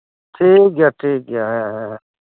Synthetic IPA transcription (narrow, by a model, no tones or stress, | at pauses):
ʈʰiːk̚ɡjaːʈʰiːk̚ɡjaɦɛ̃ɦɛ̃